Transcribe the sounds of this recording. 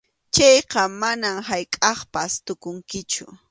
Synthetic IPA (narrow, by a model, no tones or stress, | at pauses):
t͡ʃɑjqɑmanamɦajkʼɑχpast̪ʊkʊŋkɪt͡ʃʊ̰